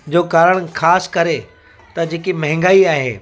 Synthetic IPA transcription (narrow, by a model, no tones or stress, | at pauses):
d͡ʑoːkaːɾəɽ̃xaːskɐɾe | t̪ɐd͡ʑeːkimɐɦɪ̃ŋɡaːiaːɦḛː